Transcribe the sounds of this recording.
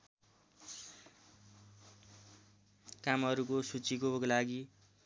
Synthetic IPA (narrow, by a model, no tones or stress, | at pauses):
kamʌɾukosut͡sikoklaɡi